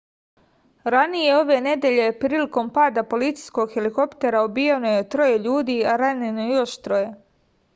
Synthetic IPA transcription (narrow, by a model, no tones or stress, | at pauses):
ɾanije̞o̞ʋe̞ːne̞d̪eʎe̞pɾiːliko̞mpaːd̪apo̞lit̪si̥jskoɡxeliko̞pt̪eɾaobijenojet̪ɾo̞je̞ʎuːd̪iːaɾaɲenojo̞ʃt̪ɾo̞je̞